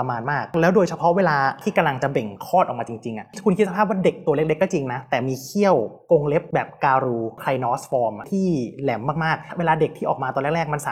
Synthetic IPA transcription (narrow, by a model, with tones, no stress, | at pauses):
a˧maː˧nmaː˥˩k̚lɛː˦˥wdoː˧jt͡ɕʰa˧pʰɔ˦˥ʔweː˧laː˧t̪ʰiː˥˩ka˧mla˧ŋt͡ɕa˨˩be˨˩ŋkʰɔː˥˩t̪ʔɔː˨˩kmaː˧t͡ɕi˧ŋt͡ɕi˧ŋʔa˨˩kʰu˧nk̪̚ʰsa˧aː˥˩p̚waː˥˩de˨˩k̚t̪u˧əle˦˥˩k̚le˦˥kːɔ˥˩t͡ɕi˧ŋna˦˥t̪ɛː˨˩miː˧kʰi˥˩əwko˧ŋle˦˥p̚bɛː˨˩p̚kaː˧ɾuː˧kʰɾa˧jnɔː˦˥sfɔː˧m˩t̪ʰiː˥˩lɛ˩˦mːaː˥˩k̚maː˥˩k̚weː˧laː˧de˨˩k̚t̪ʰiː˥˩ʔɔː˨˩kmaː˧t̪ɔː˧nlɛ˥˩klɛː˥˩k̚ma˧nsa˨˦